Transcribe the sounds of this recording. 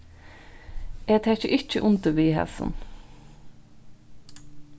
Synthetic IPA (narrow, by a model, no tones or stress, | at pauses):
ɛːt̪ʰɛːçəʔɪt͡ʃːəʔʊnt̪əʋiːhɛ̰sə̰n